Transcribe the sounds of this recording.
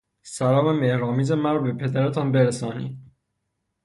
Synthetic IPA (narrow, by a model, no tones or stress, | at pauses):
sæɾɒːmeme̞hɾɒːmiːze̞mæɾɒːbe̞pʰe̞d̪æɾet̪ʰɒnbeɾæsɒːnḭːd̪̚